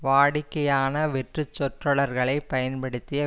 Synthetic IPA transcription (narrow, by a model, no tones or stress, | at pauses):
ʋaːɽɪkːɐjaːnɐʋɛʈrɯt͡ʃːɔʈrɔɭɐɾɣɐɭɐɪpːɐjɐnpɐɽɯt̪ːɪjɐ